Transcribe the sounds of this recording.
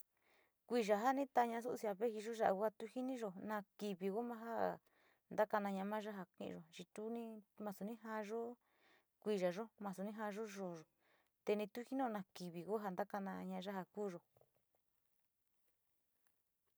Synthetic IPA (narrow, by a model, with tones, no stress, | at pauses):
kʷi˧ʒa˨ɦa˦nĩ˦t̪a˧ɲã˧˦s̬u˦ʔsi˧a˧βe˦hi˧ʒo˦ʒa˧ʔɣo˧a˧t̪u˧hi˦nĩ˦ʒo˨nã˧ki˨βi˨ɣo˦mã˧˦ɦa˦ | nd̪a˦ka˧nã˧ɲã˧mã˦ʒa˦ɦa˧kḭ̃˧ʔʒo˨t͡ʃi˧t̪u˦nĩ˦mã˧su˨˧nĩ˦ɦã˧ʒo˦ | kʷi˧ʒa˨ʒo˦mã˧˨su˨nĩ˦ɦã˧ʒo˦ʒo˨ʒo˨ | t̪e˧nĩ˧t̪u˦hi˦nõ˦˧nã˧ki˨βi˨ɣo˦ɦa˧nd̪a˦ka˧nã̰˧ɲã˧ʒa˦ɦa˧kuː˦ʒo˨